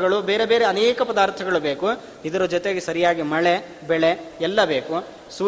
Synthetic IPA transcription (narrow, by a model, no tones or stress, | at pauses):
ɐɭube̞ːɾe̞be̞ːɾeɐnɛːkɐpɐd̪aːɾt̪ʰɐɡɐɭubeːku | id̪ɐɾɐd͡ʒɔt̪eɡesɐɾijaːɡimɐɭe | bɛɭeɛlːɐbeːku | suː